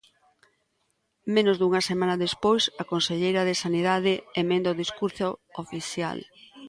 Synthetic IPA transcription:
menozðuŋɐsemanɐðespojsakonseʎejɾɐðesaniðaðɪemẽnd̪oðiskuɾθoofiθja̰l

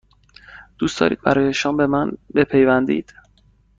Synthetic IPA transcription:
d̪̥uːsd̪̥ɒ̰ːɾiːd̪̥̚bæ̰ɾɒːjeʃɒmbe̞mænbe̞pʰejvænd̪ḭːd̪̥

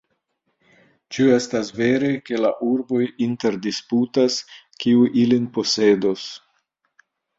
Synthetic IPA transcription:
t͡ʃue̞stasve̞ɾe̞ke̞laʔuɾbo̞jinte̞ɾdisputas | kiuʔilinpo̞se̞do̞s

